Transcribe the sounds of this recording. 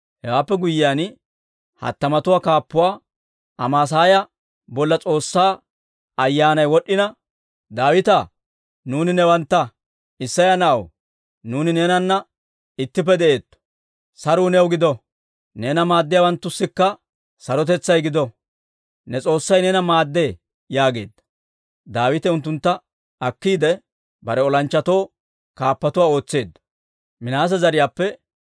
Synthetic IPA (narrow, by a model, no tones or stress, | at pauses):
hɛwaːpːɛɡʊjɪjaːn | hɐ̰t̪ːɐmɐt̪ʊwaːkaːpːʊwaː | ʔɐmaːs̬aːjɐ | bɔlːɐt͡sʼo̞ːsːaː | ɐjːaːnɐjwɔɗːɪnɐ | d̪aːwɪt̪a | nuːnɪnɛwɐnt̪ːɐ | ɪsːɐjanɐʔɐ̰w | nuːnɪneːnɐnːɐ | ɪt̪ːɪp̬ːɛd̪ɛʔe̞ːt̪ːɔ̥ | sɐɾʊːnɛwɡɪd̪ɔ | neːnɐmaːd̪ːɪjawɐnt̪ːʊsːɪkːɐ | sɐɾɔt̪̬ɛt͡sːɐjɡɪd̪ɔ | nɛt͡sʼo̞ːsːɐjnɛnɐmaːd̪ːe̞ː | jaːɡe̞̰ːd̪ːɐ̥ | d̪aːwɪt̪ɛʊnt̪ːʊnt̪ːɐ | ɐkːiːd̪ɛ | bɐɾɛɔlɐnt͡ʃːɐt̪o̞ː | kaːpːɐt̪ʊwaːo̞ːt͡sːe̞ːd̪ːɐ̥ | mɪnaːs̬ɛzɐɾɪjaːpːɛ